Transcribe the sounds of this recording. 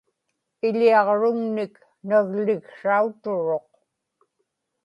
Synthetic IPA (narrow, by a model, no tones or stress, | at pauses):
ɪʎiɑʁɻʊŋnɪk | naɣlɪɣʂaut̪ʊɻo̞q